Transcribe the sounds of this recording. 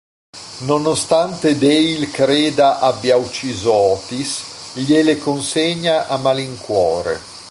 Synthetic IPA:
nonost̪ant̪ed̪elkɾeːd̪aʔabjawt͡ʃizɔːt̪is | ʎelekonseɲaʔamaliŋkwɔːɾḛ

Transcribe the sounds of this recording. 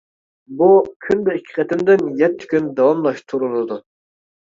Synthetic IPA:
bukʲʰymd̪ɛikʲʰːɪ̥qʰɛt̪ɪmd̪ɪnjɛt̪ʰːɪ̥kʲynd̪ɑwɑmlˠɑʃt̪ʰuɾulˠɨd̪u

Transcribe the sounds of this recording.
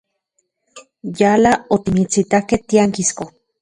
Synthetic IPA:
jalaot̪imit͡sit̪ahkeht̪iaŋkisko

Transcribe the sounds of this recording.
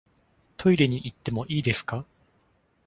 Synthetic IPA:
t̪ʰo̞iɾe̞ɲ̟iʔit̪ːe̞mo̞ʔiːd̪e̞sɨ̥ka

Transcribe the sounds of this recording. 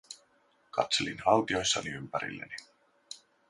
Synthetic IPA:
kɑ̰t̪se̞linhɑlt̪io̞jsːɑniympæɾḭlːḛni

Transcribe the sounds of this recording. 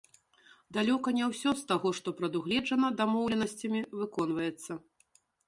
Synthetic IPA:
d̪alʲɔkɐnʲɛwsʲɔst̪aɣɔʂt̪ɔpɾɐd̪uɣlʲɛʐɐnɐd̪amɔwlʲɛnɐsʲt͡sʲɐmʲivɨkɔn̪vɐjɛt̪sːɐ

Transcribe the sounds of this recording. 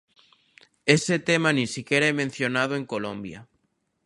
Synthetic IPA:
eset̪emanĩnsikeɾaemẽn̟θjonað̞oeŋkolõmbja̰

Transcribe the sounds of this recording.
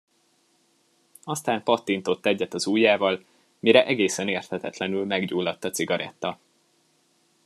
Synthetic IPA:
ɒst̪aːmpɒt̪ːint̪o̞t̪ːɛɟːɛt̪ɒzuːjːaːvɒl | miɾɛʔɛɡeːsɛneːrt̪hɛt̪ɛt̪lɛnylmɛɡɟuːlːɒt̪ːɒt̪siɡɒɾɛ̰t̪ːɒ

